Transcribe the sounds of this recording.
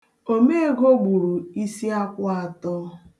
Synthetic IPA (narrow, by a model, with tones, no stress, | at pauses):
o˦me˦e˦ɡo˦ɡ͡bu˨ɾu˨i˦si˦a˦kʷa˨tɔ˦